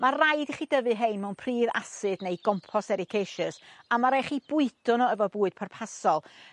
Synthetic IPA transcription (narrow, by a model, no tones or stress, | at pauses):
marajdiχiːdəvɨɦejnmɛwnpʰriːva̰sɨdnejɡ̥ɔmpʰɔsɛɾɪkʰejʃɨsamaɾeχiːbʊɨdʊnɔəvɔbuːɨd̥pʰarpʰasɔlˠ